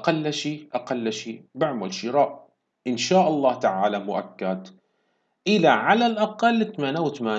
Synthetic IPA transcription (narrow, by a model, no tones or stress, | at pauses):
ʔaqalːaʃiːʔaqalːaʃiːbaʕmalʃɪɾaːʔ | ʔɪnʃaːʔɑlˤːɑːht̪aʕaːlamʊʔakːad̪ | ʔɪlaʕalalʔɑqɑlːt̪amaːnawt̪maː